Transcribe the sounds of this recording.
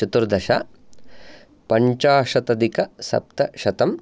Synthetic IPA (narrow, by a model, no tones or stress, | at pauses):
ɐt̪uɾd̪ɐʃa̰ | pɐɲt͡ʃaːʂɐt̪ɐd̪ikɐsɐ̰p̚t̪ɐʃɐt̪ɐm